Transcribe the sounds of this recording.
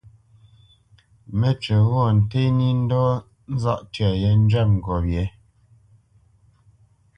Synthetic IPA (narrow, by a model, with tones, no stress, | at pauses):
mɛ˦t͡ʃə˨ɣɔ˦˨n̩˨te˦ni˦n̩˦dɔ˦ | n̩˦za̰˦ʔtɥa˨je˨˦n˦d͡ʒɛ˦˨p̚ŋ̩˨ɡɔ˨bjɛ˨˦